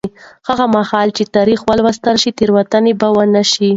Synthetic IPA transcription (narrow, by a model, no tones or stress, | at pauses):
haɣamahɑlt͡ʃet̪ɑɾixwalwast̪aɾʃit̪eɾwat̪anebawanaʃi